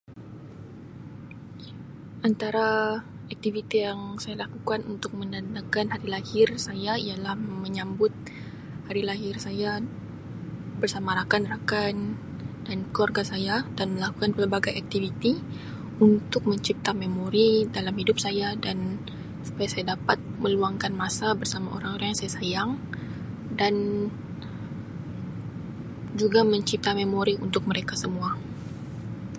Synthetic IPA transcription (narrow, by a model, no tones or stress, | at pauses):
ʔant̪aɾa | ak̚t̪ivit̪ijaŋsajalakukanunt̪ʊk̚mənanakanhaɾilahɪrsajaijalahməɲambʊt̪̚ | haɾilaɦɪrsaja | bərsamaɾakanrakan | dankəwarɡasajadanməlakukanpərbaɡajak̚t̪ivit̪i | unt̪ʊk̚məɲt͡ʃip̚t̪amemoɾidalamhidʊp̚sajadan | su̥pajasajadapat̪̚məluaŋkanmasabərsamao̰ɾaŋoɾaŋjaŋsajasajaŋ | dan | d͡ʒuɡaməɲt͡ʃip̚t̪amemoɾiunt̪ʊk̚məɾekasəmua